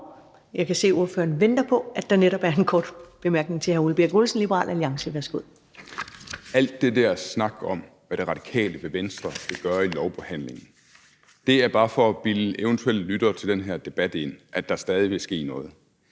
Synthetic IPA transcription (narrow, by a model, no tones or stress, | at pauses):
jɑ̈ɪkæse̝̰ːuɐfø̰ːɐnʋend̥ɐpʰɒ̽ʔæd̥ɑ̈neɾɒ̽b̥æɐe̝nkʰɒːd̥b̥e̝mæɐɡ̥ne̝ŋt͡sʰe̝hæɐulb̥e̝ɐɡ̥olsn̩lib̥əʁɑ̰̈ːlʔæljɑ̈ŋsəʋæɐsɡ̥uð̰ˠ | æl̰d̥ːe̝d̥æɐ̰snɑ̈ɡ̥ɒ̽m | ʋæɾ̥e̝ʁɑ̈d̥i̥kʰɛ̰ːləʋe̝ʋensd̥ʁɐʋ̥eɡ̥ɶːɐilɒʊpʰɒhæn̰le̝ŋn̩ | d̥e̝æɐb̥ɑ̈ːfɒ̽b̥ileʊənt͡sʰuel̰d̥lyd̥ɐt͡sʰe̝ld̥enɦæɐd̥e̝b̥æd̥e̝n̰ʔæd̥ɑ̈sd̥ɛːð̞ˠiʋe̝sɡ̥e̝̰ːnɔ̽ːð̩ˠ